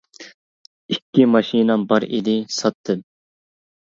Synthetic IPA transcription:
ikʲːimɑʃinɑmbɑɾḭd̪ɪsɑt̪ʰːɨm

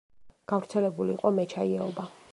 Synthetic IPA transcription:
ɡ̥avɾt̪sʰɛlɛbuliːqʼɔmɛt͡ʃʰaiɛɔba

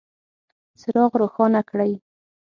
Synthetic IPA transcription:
t͡sɪɾɑɣɾoxɑnakɽaj

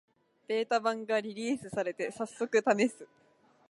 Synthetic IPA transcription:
b̥e̞ːt̪abãŋɡaɾʲiɾʲiːsɨsaɾe̞t̪e̞sasːo̞kɯ̟t̪ame̞sɨ

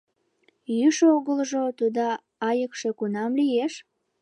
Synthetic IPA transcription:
jyʃoɣəlʒot̪ud̪ɑ | ɑjəkʃe̽kunɑmlijeʃ

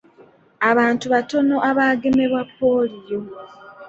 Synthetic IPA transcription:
aβaːntuβato̞no̞ʔaβaːɡe̞me̞βwapːo̞ːlijo̞

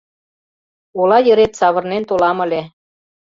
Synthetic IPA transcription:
olɑjə̆ɾet̪sɑβɤ̆rnent̪olɑmə̆lʲe

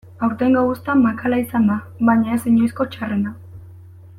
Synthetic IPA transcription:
awɾt̪eŋɡawust̪amakalaisand̪aβaɲaesiɲojsko̞t͡ʃarena

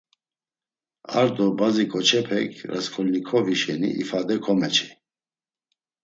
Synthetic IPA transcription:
a̰ɾd̪ɔbazikʼɔt͡ʃʰɛpʰɛkʰɾaskʰɔlnikʰɔviʃɛnḭʔifad̪ɛkʰɔmɛt͡ʃʰi̥

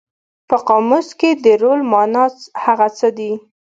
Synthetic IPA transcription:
pəqɑmusked̪əɾolmɑnɑshaɣat͡səd̪i

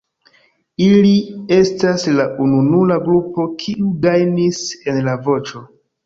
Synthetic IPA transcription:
ilie̞staslaʔununulaɡɾupo̞kʰiʔuɡajnise̞nlavo̞t͡ʃo̞

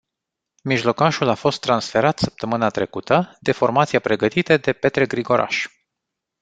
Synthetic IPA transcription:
miʒlo̞kaʃulafo̞st̪ːɾansfe̞ɾat̪səp̚t̪əmɨnat̪ɾe̞kut̪əd̪̥e̞fo̞rmat̪siapɾe̞ɡət̪it̪əd̪e̞pe̞t̪ɾeɡɾiɡo̞ɾʔa̰ʃ

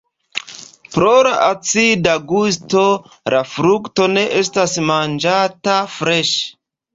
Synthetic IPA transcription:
pɾo̞laʔat͡sidaɡus̬to̞ | lafɾukto̞ne̞ʔestasmand͡ʒatafɾe̞ʃ

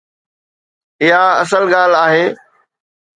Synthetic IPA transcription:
ɪɦaɐsəlɠaːl̤aːɦeː

